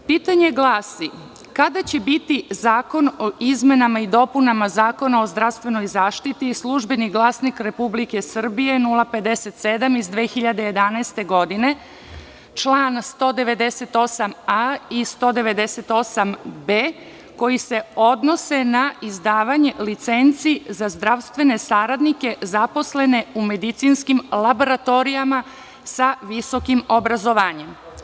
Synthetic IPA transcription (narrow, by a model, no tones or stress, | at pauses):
piːt̪aɲe̞ɡlˠaːsi | kad̪at͡ɕebit̪izaːko̞noʔizme̞namaid̪o̞punamazaːko̞nao̞zd̪ɾaʋst̪ʋe̞no̞jzaːʃt̪it̪islˠuʒbe̞niɡlˠaːsnikɾe̞publike̞sr̩bije̞nulˠape̞d̪e̞se̞t̪se̞d̪amizd̪ʋeːxiʎad̪e̞je̞d̪anaest̪e̞ɡo̞d̪ine̞ | t͡ʃlˠaːnst̪o̞ːd̪e̞ʋe̞d̪eset̪o̞samaist̪o̞ːd̪e̞ʋe̞d̪e̞set̪o̞sambeː | ko̞jise̞o̞d̪no̞se̞naizd̪aːʋaɲe̞lit̪se̞nt̪sizazd̪ɾaʋst̪ʋe̞ne̞saːɾad̪nike̞zapo̞sle̞ne̞ume̞d̪it̪sinskimlˠaboɾat̪o̞ɾijama | saʋiso̞kimo̞bɾazo̞ʋaːɲe̞m